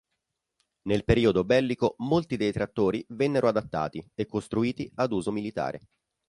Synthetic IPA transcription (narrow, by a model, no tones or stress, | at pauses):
nelpeɾiːod̪obɛlːikomolt̪id̪ejt̪ɾat̪ːoːɾivɛnːeɾʔoad̪at̪ːa̰ːt̪iekːost̪ɾuiːt̪iad̪uːzomilit̪a̰ːɾʔḛ